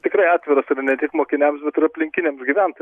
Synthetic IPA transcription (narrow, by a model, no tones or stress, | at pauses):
t̪ʲɪkɾɐɪɑːt̪ʲʋʲɪɾɐsɪɾnʲɛt̪ʲɪkmoːkʲɪnʲɛmsbʲɛt̪ɪɾɐpʲlʲɪŋʲkʲɪnʲeːmsɡʲɪʋʲænt̪